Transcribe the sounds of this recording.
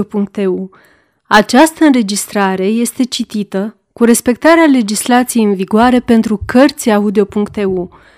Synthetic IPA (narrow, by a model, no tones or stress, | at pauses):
opuŋk̚t̪eu | at͡ʃast̪əɨnɾe̞d͡ʒist̪ɾaɾe̞je̞st̪e̞t͡ʃit̪it̪ə | kuɾe̞spe̞k̚t̪aɾeale̞d͡ʒislat̪sije̞jɨnviɡoaɾe̞pe̞nt̪ɾukərt̪siaud̪eo̞puŋkt̪e̞u